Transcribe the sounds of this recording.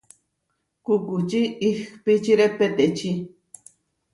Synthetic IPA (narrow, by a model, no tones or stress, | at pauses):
kukut͡ʃiːxpit͡ʃiɾepet̪et͡ʃi